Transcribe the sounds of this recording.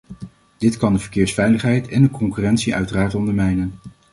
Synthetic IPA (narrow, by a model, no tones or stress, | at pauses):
d̥ɪtkɑndəvəɹkɪːɹsfɛjləχɦɛjtʰɛndəkɔŋkyːrɛntsiʔœ̰ɥtəraːɹtɔndəɹmɛjnən